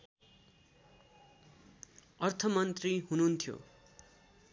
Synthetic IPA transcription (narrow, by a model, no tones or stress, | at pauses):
ʌrt̪ʰʌmʌnt̪riɦununt̪ʰijo̰